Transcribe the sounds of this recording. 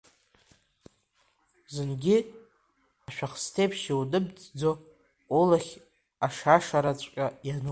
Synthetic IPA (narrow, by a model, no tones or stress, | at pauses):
zɨnɡʲɪ | aʃᶣaχstʰejpʰʃiwdɨbd͡zʼd͡zo | olaχʲ | aʂaʂaɾat͡sʷʼqʲʼajan